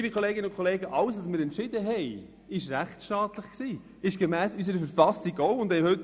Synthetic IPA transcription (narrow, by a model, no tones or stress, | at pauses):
bikʰoleːɡɪnəʊnkʰɔleːɡəʔɑlsɑsmɪːɾɛntʃɪdəɦɛɪ | ɪʃɾæχtʃtɑːtləχksiː | ɪʃɡ̥emæːsys̬əɾəfəɾfɑsiɡoʊʊnd̥hɛhɵt